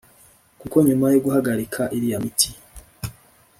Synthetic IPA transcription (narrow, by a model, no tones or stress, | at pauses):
kuko̞ɲumajoɡuɦaɡaɾikʰaʔiɾijamitʰi